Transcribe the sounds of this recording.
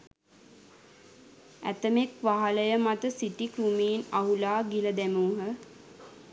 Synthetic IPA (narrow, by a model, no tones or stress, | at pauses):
æ̰t̪əmekʋaɦaləjəmat̪əsiʈikɾumiːnaɦulaːɡiləd̪æmuːɦə